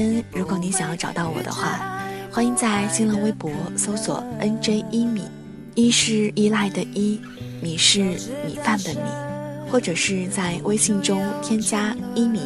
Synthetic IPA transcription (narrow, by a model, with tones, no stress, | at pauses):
ə˥nɻu˧˥kwɔ˧˥ni˧˥ɕjŋjɑ˥˩ʈ͡ʂɑ˨˩ʊt̪ɑ˥˩ʊwɔ̰˨˩d̪ə̰˦xwa̰˥˩xwa˥i˧˥ŋt͡sa˥˩ɪɕi˥nlə˧˥ŋwe˥ɪpwɔ˧˥so˥ʊswɔ̰˨˩˦ə˥nʈ͡ʂe˥ɪi˥mi˨˩˦ | i˥ʂɻ̩˥˩i˥la˥˩ɪd̪ə˩ʔi˥ | mi˨˩ʂɻ̩˥˩mi˨˩fa˥˩nd̪ə˩mḭ˨˩˦xwɔ˥˩ʈ͡ʂɤ˨˩ʂɻ̩˥˧t͡sa˥˧ɪwʔe˥ɪɕi˥˩ŋʈ͡ʂʊ˥ŋt̪ʰjɛ˥nɕja˥i˥mḭ˨˩˦